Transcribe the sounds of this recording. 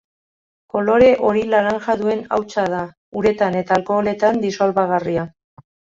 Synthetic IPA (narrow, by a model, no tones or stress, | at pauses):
ko̞lo̞ɾe̞ʔo̞ɾilaɾanʝaðue̞na̰wt͡sað̞a | uɾe̞t̪ane̞t̪aːlko̞le̞t̪and̪isolβaɣaria